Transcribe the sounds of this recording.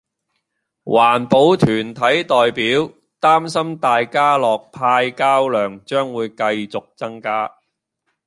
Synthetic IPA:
waː˨˩npo˨˧wt̪ʰyː˨˩nt̪ʰɐ˨˥jt̪ɔː˨jpiː˨˥w | t̪aː˥msɐ˥mt̪aː˨jkaː˥lɔː˨k̚pʰaː˧jkaː˥wlœː˨ŋt͡ʃœː˥ŋwuː˨˧jkɐ˧jt͡sʊ˨k̚t͡sɐ˥ŋkaː˥

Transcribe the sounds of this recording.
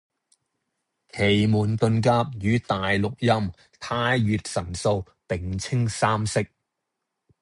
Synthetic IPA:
kʰe˨˩jmuː˨˩nt̪ɵ˧nkaː˧p̚jyː˨˧t̪aː˨jlʊ˨k̚jɐ˥m | t̪ʰaː˧jɥyː˨t̚sɐ˨˩nso˧w | pɪ˨ŋt͡sʰɪ˥ŋsaː˥msɪ˥k̚

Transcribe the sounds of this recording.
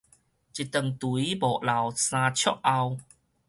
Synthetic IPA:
t͡ɕi˨˩t̪ə˨˩ŋt̪u˨i˦bɔ˨˩ʔla˨˩wsãː˧t͡ɕʰjɔ˦˥ʔʔa˧w

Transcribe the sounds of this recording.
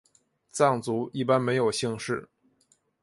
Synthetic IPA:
t͡sɑ˥˩ŋt͡su˧˥i˥˩pa˥nme˧˥ɪjo˨˩ʊɕi˥˧ŋʂɻ̩˥˩

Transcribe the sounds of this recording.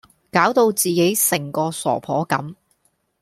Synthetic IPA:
kaː˨˥wt̪o˧wt͡siː˨ke˨˥jsɪ˨˩ŋkɔː˧sɔ̰ː˨˩pʰɔː˨˥kɐ̰˨˥m

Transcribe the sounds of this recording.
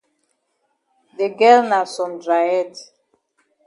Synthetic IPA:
de˨ɡɛ˦lna˨sɔ̃˨ndɾa˨jɛ˦˨t

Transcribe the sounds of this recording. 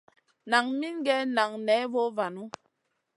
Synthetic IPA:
na˨ŋmi˦nɡɛ˦na˨ŋnɛ˨˦vo˦va˨nu˦

